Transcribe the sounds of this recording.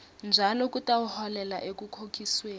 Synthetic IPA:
nd͡ʒʱalɔk̬ʼutʼawuhɔlɛla̰ʔek̬ʼukʰokʰʼisweː

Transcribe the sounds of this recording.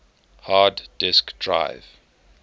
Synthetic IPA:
haddɪskd̥ɹa̰jv

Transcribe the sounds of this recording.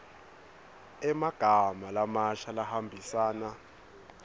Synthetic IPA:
ɛmaɡ̥ʱamalamaʃalahambʱisaːna

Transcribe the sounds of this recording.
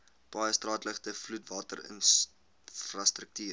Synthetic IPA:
b̥ɐjəstrɑːtləχtəflutvɑːtə̰rə̰n | frɐstrək̚tiːr

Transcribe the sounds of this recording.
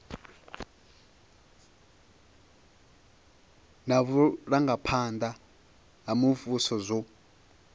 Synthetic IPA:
naβuɺaŋɡapʰand̪a | ɦamuvusɔzʷɔ

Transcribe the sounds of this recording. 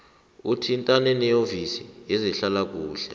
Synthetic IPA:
utʰintʼanɛnɛjovisijɛziɬalak̬uːɬɛ̰

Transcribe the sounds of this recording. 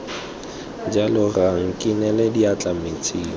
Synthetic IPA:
d͡ʒalɔraŋ̩kʼinɛlɛdiat͡ɬʼamet͡sʰʼiːlɔ

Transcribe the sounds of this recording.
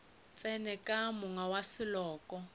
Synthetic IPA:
t͡sʼɛnɛkʼamʊŋawasɪlɔːkʼɔ

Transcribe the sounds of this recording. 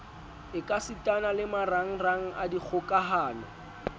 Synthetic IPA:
ɪkʼasitʼanalɪmaraŋ̩raŋ̩ʔadik͡xʰʊkʼaɦaːnɔ̰

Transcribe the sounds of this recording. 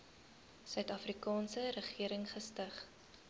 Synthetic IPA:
sœɥtɐfrikɑːnsəɾəχiəɾəŋχəstəχ

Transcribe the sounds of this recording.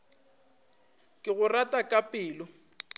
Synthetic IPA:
kʼɪɣʊratʼakʼapʼɪːlʊ

